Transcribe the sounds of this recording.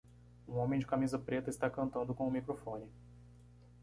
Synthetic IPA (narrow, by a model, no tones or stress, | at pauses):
ũõmẽj̃d͡ʒɪkamizɐpɾet̪ɐɪst̪akɐ̃nt̪ɐ̃nd̪ʊkõʊmikɾofõnɪ